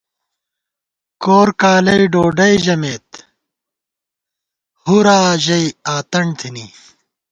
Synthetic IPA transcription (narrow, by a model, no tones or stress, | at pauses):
koːɾkaːlɐiɖoːɖɐiʑɐmeːt̪ | huɾaːʑɐiaːt̪ɐɳt̪ʰini